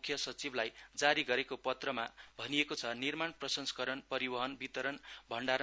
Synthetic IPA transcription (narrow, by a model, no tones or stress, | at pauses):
kʰjʌsʌt͡siblajd͡zaɾiɡʌɾekopʌt̪rʌmabʱʌniekot͡sʰʌnirmanprʌsʌnsʌ̥kʌɾʌnpʌɾibʌɦʌnbit̪ʌɾʌnbʱʌɳɖaɾ